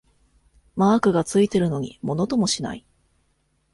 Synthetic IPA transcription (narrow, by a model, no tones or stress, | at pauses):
maːkɯ̟ɡat͡sɨit̪e̞ɾɯ̟no̞ɲ̟ḭmo̞no̞t̪o̞mo̞ɕina̰i